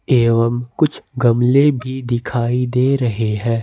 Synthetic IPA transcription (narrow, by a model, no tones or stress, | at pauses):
eːʋəmkʊt͡ʃʰɡɐmlebʱid̪ɪkʰaːid̪eːɾɐɦeɦɛ̃ː